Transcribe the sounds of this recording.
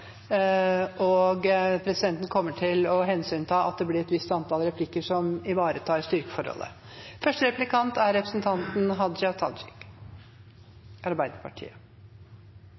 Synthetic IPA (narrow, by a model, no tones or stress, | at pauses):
ʔɔɡpʰɾɛsɪd̪ɛnt̪ən̩kʰɔmːəʈʰɪlɔɦɛnsyːnt̪ʰɑɑ̰t̪̚d̪ɛblɪɾɛt̪ʋɪst̪ɑnt̪ʰɑːlɾɛpʰlɪkːəʂɔmɪʋɑːɾət̪ʰɑːɾʂt̪ʏɾkə̥fɔ̰ɾhɔ̰lːə̰ | fœʂʈəɾɛplɪkʰɑnt̪æɾːɛpɾəsn̩t̪ʰɑnt̪n̩ɦɑd̪d͡ʒɪɑʋt̪ʰɑ̰d̪d͡ʒɪk | ʔɑɾbæɪd̪əɾpʰɑʈʰḭːə